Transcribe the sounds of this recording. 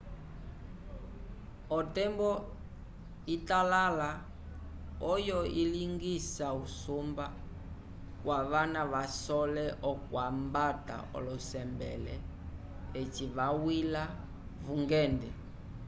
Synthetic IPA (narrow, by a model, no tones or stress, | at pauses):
ɔtɛmbɔ | italala | ɔjɔiliŋɡisausumba | kwaβanaβasɔlɛʔɔkwambata̰ɔ̰lɔsɛmbɛ̰lɛ | ɛt͡ʃiβawila | vuŋɡɛndɛ